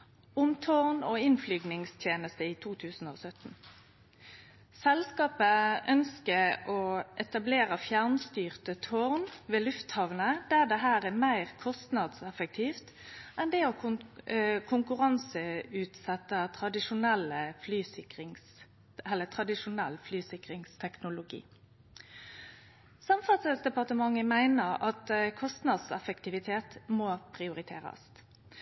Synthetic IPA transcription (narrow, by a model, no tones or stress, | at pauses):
ʊmt̪ʰɔʁnoːɪnflyːɡnɪŋst̪ʰjeːnəst̪əiːt̪ʰuːt̪ʰʉːsn̩o̰ːsœt̪n̩ | sɛlskɑːpəʔœnskəʔoːʔɛt̪ɑbleːʁəfjæʁnst̪yːʁt̪ət̪ʰoʁnʋeːlʉft̪hɑʋnəd̪̥æd̪ɛɦæːʁæmæɪʁkʰɔst̪nɑd̪sɛfək̚t̪ʰiːft̪ | ʔɛnd̪ɛɔ | kʰʊŋkʉʁɑnsəʉːt̪sɛt̪ːət̪ʰʁɑd̪ɪʂʊnɛlːəflyːsɪkʁɪŋs | ɛlːət̪ʰʁɑd̪ɪʃʊnɛlːflyːsɪkʁɪŋst̪ʰɛknʊlʊɡḭː | sɑmfɑt̪səsd̪ɛpɑʁt̪əmɑŋːəmæɪnəʁɑt̪kʰɔst̪nɑd̪sɛfək̚t̪ʰɪʋɪt̪ʰeːt̪moːpʰʁɪʊʁɪt̪ʰeːʁɑ̰s